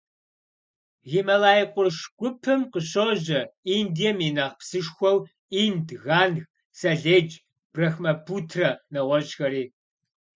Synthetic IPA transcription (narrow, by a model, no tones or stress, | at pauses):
ɣimɐlaːjiqʷʼʊrʃɡʷʼʊpʰɨmqəɕoʑɐiːndijɛmiːnɐʁpsɨʂxʷɔw | iːndɣaːnɣ | sɐɮeːd͡ʒ | b̥rɐxmɐpʰuːtʰrɐnɐʁʷɔɕʼxɐɾiː